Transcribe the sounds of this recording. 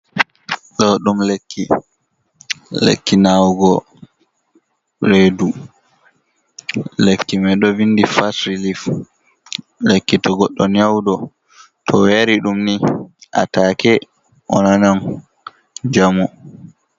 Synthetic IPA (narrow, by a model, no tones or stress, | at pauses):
ɗɔɗumlekːi | lḛkːinawɡɔ | ɾedu | lekːimɛɗɔvinːdifasɾilif | lekːitɔɡɔɗːɔnawdɔ | tʰɔwaɾiɗumniʔa̰takɛ | ʔɔnanam | d͡ʒamu